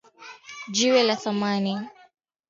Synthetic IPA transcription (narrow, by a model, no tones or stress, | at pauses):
d͡ʒiwɛlaθamani